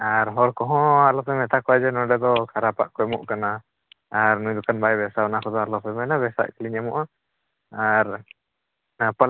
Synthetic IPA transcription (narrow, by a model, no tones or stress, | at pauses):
aɾɦɔɽkɔɦɔ̃alɔpʰɛmɛt̪akɔad͡ʒɛnɔɖɛd̪ɔkʰaɾapa̰ʔkɔɛmuʔkanaː | ɾnujd̪ukanbaɛbɛsabanakʰɔd̪ɔalɔpʰɛmɛnabɛsa̰ʔkiliɲamɔʔa | aɾ | pə